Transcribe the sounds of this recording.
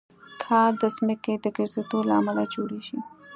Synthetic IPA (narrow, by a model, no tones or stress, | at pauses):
kʰɑɾd̪əsməked̪əɡɪɾzet̪olaamalad͡ʒoɽeʃi